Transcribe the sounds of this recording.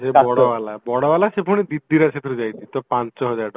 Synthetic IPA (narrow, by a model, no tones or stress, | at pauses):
d͡ʒebɔɽɔbalabɔɽɔbalasepʰuɽ̃id̪id̪ːiɾat͡ʃʰet̪ʰuɾud͡ʒajt̪ʰit̪ɔpant͡ʃɔɦɔd͡ʒajʈɔ